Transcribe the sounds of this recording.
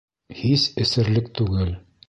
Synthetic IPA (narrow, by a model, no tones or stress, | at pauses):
hisɘ̆sɘ̆ɾlɘk̚t̪ʉɡɘl